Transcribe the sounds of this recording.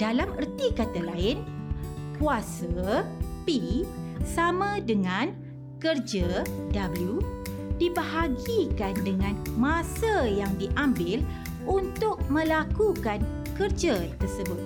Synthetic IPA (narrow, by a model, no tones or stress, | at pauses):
d̥alamərt̪ikat̪alaɪnkuasapisamãdəŋãn | kərd͡ʒadabəlju | dibaɦaɡikandəŋãnmãsajaŋdiʔambɪl | ʔunt̪ʊk̚mə̃lakukan | kərd͡ʒat̪ərsəbʊt̪̚